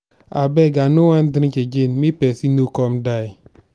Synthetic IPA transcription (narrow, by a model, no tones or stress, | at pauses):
abeɡanowan̩dɪɾ̩t͡ʃed͡ʒenmipesinukɔm̩dai